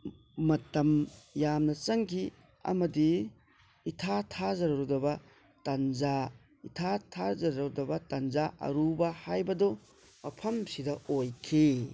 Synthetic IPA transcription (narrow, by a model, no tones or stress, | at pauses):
mɐtɐmjamnɐt͡ʃɐŋkʰi | ɐ̰mɐdiː | tʰatʰazɐɾɐɾudɐbɐ | tɐnd͡ʒa | itʰatʰaɾzɐɾɐɾudɐbɐtɐnzaʔɐ̰ɾubɐhajbɐdo | mɐpʰɐmsidɐojkʰi